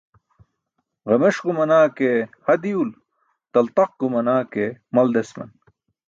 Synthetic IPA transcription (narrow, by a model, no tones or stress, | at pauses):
ʁɐmeʂɡumɐnaːkehɐd̪iul | t̪ɐlt̪ɐq̚ɡumɐnaːkemɐld̪esmɐ̰n